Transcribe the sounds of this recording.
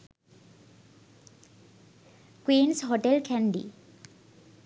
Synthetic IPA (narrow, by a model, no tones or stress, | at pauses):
kwiːnsɦoʈelkʰɛnɖḭ